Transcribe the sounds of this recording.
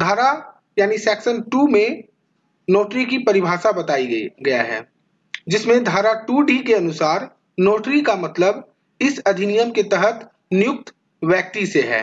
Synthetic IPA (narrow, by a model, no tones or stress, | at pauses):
d̪ʱaːɾa | jaːnisɛːksənʈuːmẽ | noːʈɾikipɐɾɪbʱaːʃabɐt̪aːiɡɐja̰ɦɛ̰ː | d͡ʒɪsmẽd̪ʱaːɾaʈuːɖikeɐnʊsaːɾ | noːʈɾikamɐt̪ləb | ɪsɐd̪ʱɪnijəmket̪ɛɦət̪ | nɪjʊk̚t̪ | ʋjɛːk̚t̪iseɦɛ̰ː